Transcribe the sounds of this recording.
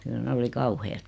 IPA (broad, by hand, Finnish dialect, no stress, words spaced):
kyl ne oli kɑuheːt